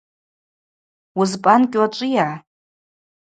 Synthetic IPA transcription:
ʊzpʼankʲʼwat͡ʃʷʼija

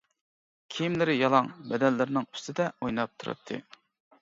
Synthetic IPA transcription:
kʲʰijimlɪɾɪjɑlˠɑŋbɛd̪ɛlːɪɾɪnɪŋy̥st̪ʰɪd̪ɛojnɑp̚t̪ʰuɾɨ̰t̪ʰːɨ̰

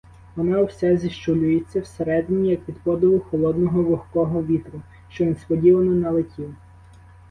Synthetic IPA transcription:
ʋɔnɑwsɛzʲiʃt͡ʃɔlʲʊjet͡sʲːɐwseɾɛd̪ɪnʲijɐkʋʲid̪pɔd̪ɪʋʊxɔlˠɔd̪nɔɦɔʋˠɔxkɔɦɔʋʲit̪ɾʊ | ʃt͡ʃɔʋʲinspɔdʲiʋɐnɔnɐlˠetʲʰiw

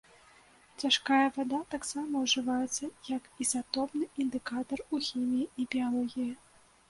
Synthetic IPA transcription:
t͡sʲaʂkajɐvad̪at̪aksamɐwʐɨvajɛt̪sːɐjɐkizat̪ɔpnɨʔind̪ɨkat̪ɐruxʲimʲijiibʲijalˠɔɣʲiji

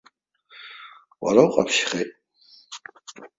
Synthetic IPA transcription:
wa̰ɾawqʼa̰pʰʃχejtʼ

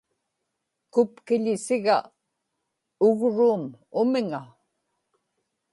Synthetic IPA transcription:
kʊpkɪʎɪsɪɣa | ʊɣɻuːm | ʊmɪŋa

